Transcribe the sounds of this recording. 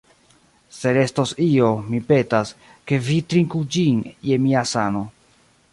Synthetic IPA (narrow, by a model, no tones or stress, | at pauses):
se̞ɾe̞stosio̞mipe̞tas | ke̞vitɾiŋkud͡ʒinje̞miasano̞